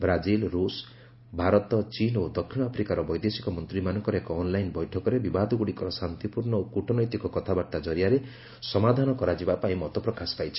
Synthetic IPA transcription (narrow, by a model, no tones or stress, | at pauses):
bɾad͡ʒilɾus | bʱaɾɔt̪ɔt͡ʃinod̪ɔkʰːinɔapʰɾikaɾɔbɔjd̪esi̥kɔmɔnt̪ɾimanɔŋkɔɾekɔːnlajnbɔjʈʰɔkɔɾebibad̪ʱɔɡuɽikɔɾɔsant̪ipuɾɳɔokuʈʰɔnɔjt̪ikɔkɔt̪ʰabaʈt̪ad͡ʒɔɾijaɾe | sɔmad̪ʱanɔkɔɾad͡ʒibapaĩmɔt̪ɔpɾɔkaspajt͡ʃʰi̥